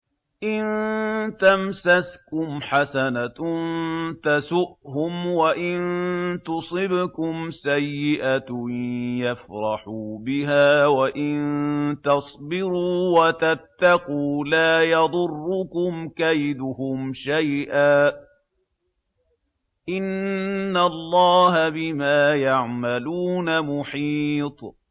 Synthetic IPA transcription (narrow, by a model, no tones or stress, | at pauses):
ʔɪnt̪amsaskʊmħasanant̪asʊʔhʊmwaʔɪnt̪ʊsˤɨbkʊmsajːɪʔat̪jafɾˤɑħuːbɪɦaːwaʔɪnnt̪ɑsˤbɪɾuːwat̪at̪ːɑquːlaːjɑd̪ˤʊrːʊkʊmkajd̪ʊhʊmʃajʔaː | ʔɪnːalˤːɑːɦabɪmaːjaʕmaluːnamʊħiːt̪ˤ